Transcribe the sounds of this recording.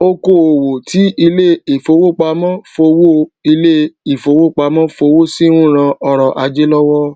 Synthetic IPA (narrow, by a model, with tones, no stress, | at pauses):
o˧ko˨o˨wo˨tʰi˨˦i˧le˦i˨fo˧wo˦˨k͡pa˧mã˦fo˧wo˦i˧le˦i˨fo˧wo˦˨k͡pa˧mã˦fo˧wo˦si˦ɾũ˦˨ɾ̃ã˧ɔ˧ɾɔ˨ʔa˧d͡ʒe˦lɔ˦wɔ˦